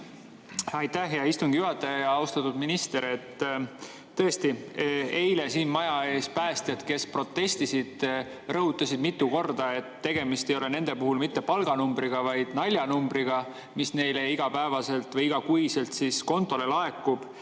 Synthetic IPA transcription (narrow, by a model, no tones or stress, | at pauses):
ɑjt̪ːæhɦeɑist̪uŋɡ̥ijuɦɑt̪ːˑɑjɑjɑɑust̪ɑt̪ːˑud̪minist̪e̞ɾe̞t̪ː | ɤest̪ie̞jle̞siːnmɑjɑe̞ːspæːst̪et̪ke̞spro̞t̪ːe̞st̪isid̪̥ | rɤɦut̪ːˑɑsid̪mit̪ˑːuko̞rd̪ɑe̞t̪ːe̞ɡ̥e̞mist̪e̞jo̞lene̞nd̪̥e̞puɦulmit̪ːe̞pɑlɡ̥ɑnumbɾiɡ̥ɑvɑjd̪̥nɑlʲjɑnumbɾiɡ̥ɑ | misne̞jle̞iɡ̥ɑpæevɑse̞lt̪vɤjiɡ̥ɑkujse̞lt̪sisko̞nt̪ːˑo̞le̞lɑe̞kːˑub̥